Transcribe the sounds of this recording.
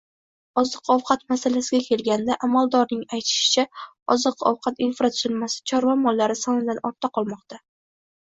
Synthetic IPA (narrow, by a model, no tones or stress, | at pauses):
ɒzɨqɒwqʰɑt̪masalasɪɡʲakʲʰe̞lɡʲand̪aʔamalˠd̪ɒɾnɪŋajt̪ʰɪ̥ʃɪ̥t͡ʃʰa | ɒzɨqɒ̰wqʰɑt̪infɾat̪ʰʊzɪlmasɪ̥t͡ʃʰɒɾvamɒlːaɾɪsɒnɪd̪anɒɾt̪ʰːaqʰɒlˠmɒqt̪a